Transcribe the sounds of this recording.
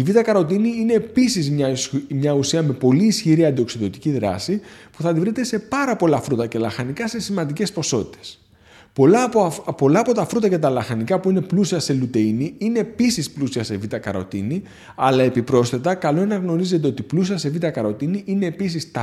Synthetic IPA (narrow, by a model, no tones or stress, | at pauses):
ivit̪ɐkɐɾo̞t̪iniine̞ːpisizmɲɐmɲɐusiɐme̞po̞liːsçiɾiɐnd̪io̞ksiðo̞t̪i̥ciðɾɐ̰sipuθɐðivɾit̪e̞se̞pɐɾɐpo̞lɐfɾut̪ɐce̞lɐxɐnikɐse̞simɐnd̪ice̞spo̞so̞t̪i̥t̪e̞̥s | polɐpo̞lɐːpo̞t̪ɐfɾut̪ɐce̞t̪ɐlɐxɐnikɐpuine̞plusiɐse̞lut̪e̞iniine̞ːpisisplusiɐse̞vit̪ɐkɐ̰ɾo̞̰t̪ḭni | ɐlɐe̞pipɾo̞sθet̪ɐkɐlo̞enɐɣno̞ɾize̞t̪e̞o̞t̪iplusiɐse̞vit̪ɐkɐɾo̞t̪iniʔineːpisist̪ɐ